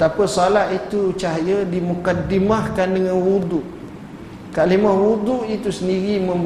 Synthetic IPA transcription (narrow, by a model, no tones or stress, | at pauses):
t̪apasalaʔit̪ut͡ʃaɦajədimukadimahkandəŋãnwud̪uʔ | kalimahwud̪uʔit̪usəndiɾimə̃m